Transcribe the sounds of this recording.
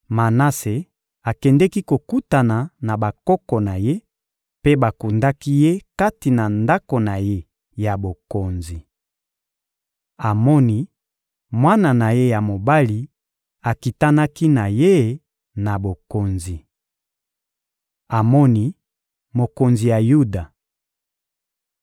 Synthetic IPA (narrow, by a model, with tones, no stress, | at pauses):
ma˨na˦se˨ | a˨kɛ˨ndɛ˦ki˦ko˨ku˦ta˨na˨na˨ba˨kɔ˦kɔ˨na˨je˦ | pe˦ba˨ku˨nda˦ki˦je˦ka˦ti˨na˨nda˦ko˨na˨je˦ | ja˨bo˨ko˨nzi˨ | a˨mɔ˦ni˦ | mwa˦na˨na˨je˦ja˨mo˨ba˦li˨ | a˨ki˨ta˦na˦ki˦na˨je˦ | na˨bo˨ko˨nzi˨ | a˨mɔ˦ni˦ | mo˨ko˨nzi˨ja˨ju˦da˨